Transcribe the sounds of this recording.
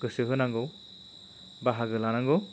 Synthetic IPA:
ɡɯsɯɦɯnaŋɡɯw | baɦaɡɯlanaŋɡɯw

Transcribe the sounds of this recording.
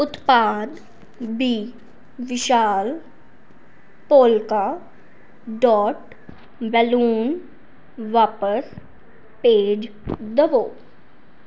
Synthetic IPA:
ʊt̪paːd̪ | biː | ʋɪʃaːl | poːlka | ɖɔːʈ | ʋɛluːn | ʋaːpəs | peːd͡ʒ | d̪ɐʋoː

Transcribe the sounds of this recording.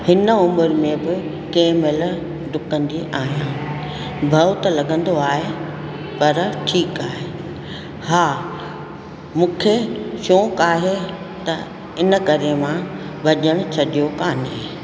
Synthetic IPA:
hɪnəʊmʊɾmẽbɪ | keːmɪl | ɖʊkə̃nd̪iʔaːɦijãː | bʱɐʋt̪ɐlɐɡʱə̃nd̪oaːɦe | pɐɾʈʰiːkaːɦeː | haː | mũːkʰeʃõːkaːɦe | t̪ɐ | ɪnə̆kɐɾemã | bʱɐʄəɽ̃ʊt͡ɕʰɐɗijokaːneː

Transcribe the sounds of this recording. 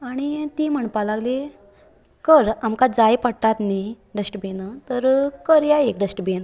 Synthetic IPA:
aɽ̃it̪im̤əɳpalaɡli | kəɾamkad͡zajpəɽʈat̪ni | ɖəsʈbʱenət̪əɾkəɾjaek̚ɖəsʈbʱen

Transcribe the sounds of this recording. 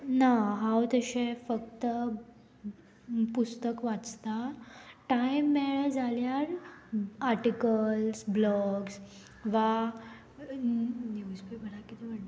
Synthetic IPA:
naɦãwt̪əɕẽfəkt̪ə | pust̪əkʋat͡st̪aʈaimːɛɭəd͡zaljaɾ | aɾʈikəlsblɔɡs | ʋa | njuspibʱəɽakit̪im̤əʈ

